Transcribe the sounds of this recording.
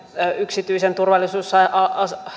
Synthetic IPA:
yksit̪yisent̪urʋɑlːisuːsːɑiʔɑɑs

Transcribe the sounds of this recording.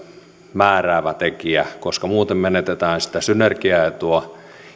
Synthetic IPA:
mæːræːʋæt̪ekiækoskɑmuːt̪emmenet̪et̪æːnsi̥t̪æsynerkiæet̪uɑ

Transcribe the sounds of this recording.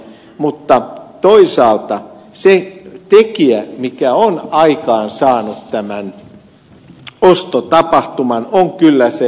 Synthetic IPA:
mut̪ːɑt̪oisɑːlt̪ɑ | set̪ekiæmikæonɑikɑːnsɑːnut̪t̪æmæn | ost̪ot̪ɑpɑht̪umɑnoŋkylːæse

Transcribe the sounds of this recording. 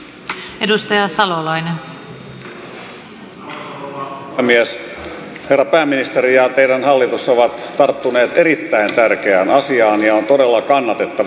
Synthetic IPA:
edust̪ɑjɑsɑlolɑinen | miæs | herːɑpæːmːinist̪eɾijɑt̪eiɾænhɑlːit̪usːɑoʋɑt̪t̪ɑrt̪ːuneːt̪eɾit̪ːæint̪ærkeæːnɑsiɑːniɑont̪odelːɑkɑnːɑt̪et̪ːɑ

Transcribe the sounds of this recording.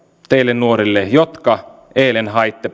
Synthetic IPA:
t̪eilːennuoɾilːejot̪kɑ | eːlenɦɑjt̪ːe

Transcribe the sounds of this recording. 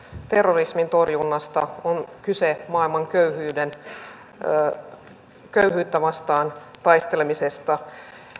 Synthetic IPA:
t̪e̞rːorismint̪o̞rjunːɑst̪ɑonkysemɑːilmɑŋkøyhyːden | køyɦyːt̪ːæʋɑst̪ɑːnt̪ɑjst̪e̞lemisest̪ɑ

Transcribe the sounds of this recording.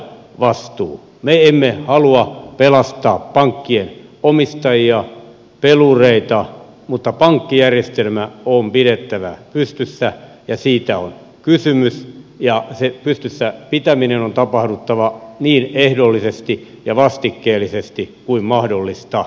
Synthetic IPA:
ʋɑst̪uː | meemːehɑluɑpelɑst̪ɑːppɑŋkːienomist̪ɑjiɑ | pelureit̪ɑ | mut̪ːɑpɑŋkːijærjest̪elmæompiɾet̪ːæʋæ̰pyst̪ysːæ | jɑsiːt̪æo̰n | kysymysjɑsepyst̪ysːæpit̪æminenont̪ɑpɑhdut̪ːɑʋɑniːnehdolːisest̪i | jɑʋɑst̪ikːeːlːˑisest̪ikuimmɑhdolːist̪ɑ

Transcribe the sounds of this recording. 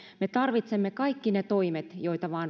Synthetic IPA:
met̪ɑrʋit̪semːekɑikːinet̪oimet̪joit̪ɑʋɑːn

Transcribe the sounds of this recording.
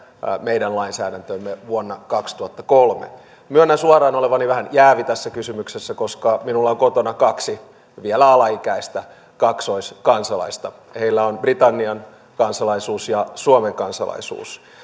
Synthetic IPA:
meidænlɑinsæːɾænt̪ømːeʋuonːɑkɑkst̪uhɑt̪ːɑkolmḛ | myønːæsuɑrɑːnoleʋɑniʋæhænjæːʋit̪æsːækysymyksesːækoskɑminulːɑoŋkot̪onɑkɑksi | ʋielæɑlɑikæist̪æ | kɑksoiskɑnsɑlɑ̰ist̪ɑ | heilːæonbrit̪ɑnːiɑn | kɑnsɑlɑisuːsjɑsuomeŋkɑnsɑ̰lɑ̰isṵːs

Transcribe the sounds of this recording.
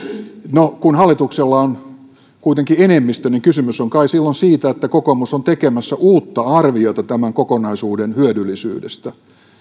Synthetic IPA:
nokunhɑlːˑit̪ukselːɑon | kuit̪eŋkienemːist̪øniŋkysymysoŋkɑisilːonsiːt̪æet̪ːækokomusont̪ekemæsːæʔuːt̪ːɑɑrʋiot̪ɑt̪æmæŋkokonɑisuːdenhyødylːisy̰ːdḛst̪æ

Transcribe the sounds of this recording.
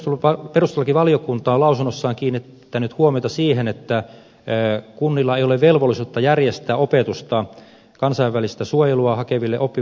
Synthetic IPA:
t̪olɑperust̪olːɑkiʋɑlijokunt̪ɑːlɑusunːosːɑːŋkiːnːiː | ænyt̪huomiot̪ɑsiːhenet̪ːæ | kunːilːɑeijoleʋʋelʋolːˑisuːt̪ːɑjærjest̪æːopet̪ust̪ɑ | kɑnsɑiʋːælist̪æsuojeluɑhɑkeʋilːeʔopːi

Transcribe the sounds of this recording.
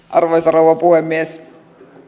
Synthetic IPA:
ʔɑrʋoisɑrouʋɑpuhemːies

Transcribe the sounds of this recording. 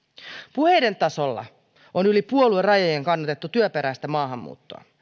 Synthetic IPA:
puhe̞jde̞nt̪ɑso̞lːɑ̰ | onylipuoluerɑjojeŋkɑnːɑt̪et̪ːut̪yøpe̞ɾæst̪æmɑːɦɑmːṵːt̪ːoɑ̰

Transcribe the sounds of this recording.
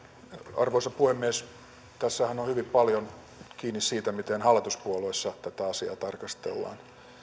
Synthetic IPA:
ɑ̰rʋoisɑppuhemːies | t̪æsːæhænohyʋippɑljon | kiːnissiːt̪æmit̪enhɑlːˑit̪uspuoloisːɑt̪æt̪æɑsiɑ̰ːt̪ɑrkɑst̪ḛlːɑ̰ːn

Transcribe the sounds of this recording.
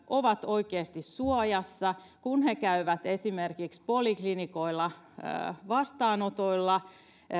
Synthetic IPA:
ʔoʋɑt̪oikeːst̪issuɑjɑsːɑ | kunhekæyʋæt̪esimerkikspoliklinikoilːɑ̰ | ʋɑst̪ɑːnot̪oilːɑ

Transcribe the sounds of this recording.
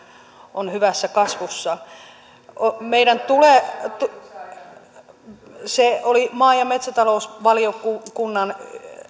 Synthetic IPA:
ʔonhyʋæsːækɑsʋusːɑ | omeiɾænt̪ulet̪u | seolimɑːjɑmet̪sæt̪ɑloˑusʋɑliokukunːɑn

